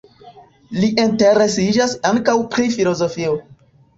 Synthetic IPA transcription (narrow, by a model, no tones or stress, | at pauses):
liʔinte̞ɾe̞sid͡ʒasaŋkawpɾifilo̞zo̞fio